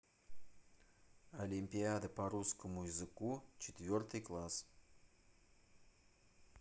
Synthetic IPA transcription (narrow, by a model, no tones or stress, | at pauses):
ɐlʲimʲpʲɪad̪əpɐɾuskəmujɪzɨkut͡ɕɪt̪ʲvʲort̪ɨjklˠas